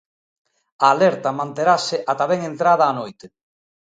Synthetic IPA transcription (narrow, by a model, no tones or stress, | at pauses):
aːlɛɾt̪ɐmãnt̪eɾasɪʔat̪aβɛŋent̪ɾaðaːnojt̪e